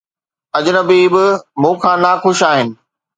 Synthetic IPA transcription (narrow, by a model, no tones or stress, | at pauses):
ɐd͡ʑʊnəbiːbɪmũːkʰãːnaxʊʃaːɦɪnɪ̆